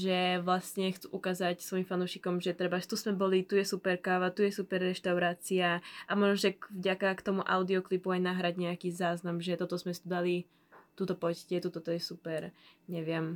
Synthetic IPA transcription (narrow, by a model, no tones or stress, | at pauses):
ʒɛʋlasɲɛxt͡suʔukaːzacsʋɔjimfanuʃikɔmʒɛt̪ɾɛbaʃt̪uzmɛbɔlit̪ujɛsupɛɾkaʋat̪ujɛsupɛɾːɛʃt̪aʊɾaːt͡siaʔamɔʒnɔʒɛvɟakakt̪ɔmuʔaʊd̪iɔklipuajnaɦɾaɟɲɛakiːzaːznamʒɛt̪ɔt̪ɔzmɛst̪ud̪ali | t̪ut̪ɔpɔccɛt̪ut̪ɔt̪ɔjɛsupɛɾɲɛʋɪɛm